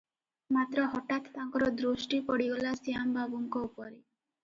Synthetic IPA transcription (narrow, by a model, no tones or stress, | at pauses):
mat̪ɾɔɦɔʈat̪t̪ːaŋkɔɾɔd̪ɾuʃʈipɔɽiɡɔlasijambabuŋkɔupɔɾe